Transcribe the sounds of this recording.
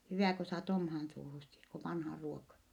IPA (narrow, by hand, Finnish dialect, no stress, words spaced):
hyʋæˑ ko sɑːt omhɑːn suːhusːi k o ʋɑnhɑˑ ruokɑ